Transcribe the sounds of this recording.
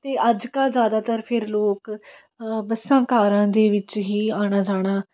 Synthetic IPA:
t̪eːʔəd͡ʒkəlzjaːd̪aːt̪əɾpʰɪɾloːk | bəsãːkaːɾãːd̪eːʋɪt͡ʃɦiːaːɽ̃aːd͡ʒaːɽ̃aː

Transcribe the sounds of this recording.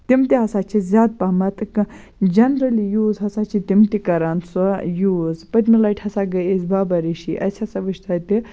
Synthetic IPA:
t̪imt̪iɦɐsat͡ʃizʲaːd̪̚pamɐt̪k | d͡ʒɐnɾɐlijuːzɦɐsat͡ʃit̪imt̪ikɐɾansɐjuːzpɐt̪milɐʈʰhɐsaɡɐizbaːbɐɾiʃḭʔɐ̰sʰʲɐsɐʋɐʃt̪aːt̪i

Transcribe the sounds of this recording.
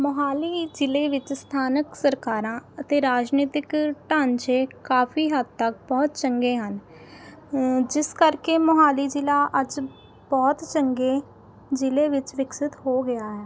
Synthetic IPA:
məɦaːliːd͡ʒɪleːʋɪt͡ʃst̪ʰaːnəksəɾkaːɾãːət̪eːɾaːd͡ʒniːt̪ɪkʈãːnt͡ʃeːkaːpʰiːɦəd̪t̪ːək̚bɔːt̪t͡ʃəŋɡeːɦən | d͡ʒɪskəɾkemʊɦaːliːd͡ʒɪlaːʔəd͡ʒ | bɔːt̪t͡ʃəŋɡeː | d͡ʒɪleːʋɪt͡ʃʋɪksɪt̪hoːɡɪaːɦɛː

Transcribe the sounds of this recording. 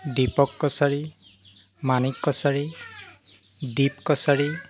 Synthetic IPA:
dipɔkːɔsaɹi | manikːɔsaɹi | dipkɔsaɹi

